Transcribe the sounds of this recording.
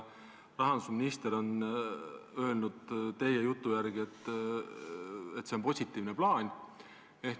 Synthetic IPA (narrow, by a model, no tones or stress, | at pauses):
rɑɦɑnd̪̥usminist̪eɾo̞n | ø̞elnud̪̥t̪e̞je̞jut̪ːˑujæɾɡ̥ie̞t̪ːˑ | et̪ːsenpo̞sʲit̪ːˑiːvneplɑːnʲ | e̞hk